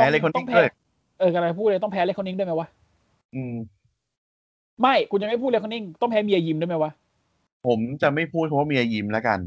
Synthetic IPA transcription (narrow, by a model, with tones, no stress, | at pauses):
ɛː˦˥˨la˧jkʰo˧nɔ˥ŋpʰːɤː˥˩ | ʔɤː˧˩ka˧la˧˩pʰu˥˩t̪̚lːt̪ɔ˥˩ŋpʰɛː˧˦˥lkʰɔ˧˥ni˥˩˨du˥˩˨ma˦˥jwa˦˥ʔ | ʔɯː˧m | ma˥˩jkʰu˧nt͡ɕa˧ma˥˩pʰuː˥˩˧kʰni˦˥˩ŋt̪ɔ˥˩ŋpʰɛ˦˥mi˧ʔaː˧jiː˧mdu˥˩jma˦˥jwa˦˥ʔ | pʰo˩˦mt͡ɕa˨˩ma˥˩jpʰuː˥˩t̪̚kʰa˦wa˥˩mi˧ʔa˧ji˧mla˦˥ka̰˧n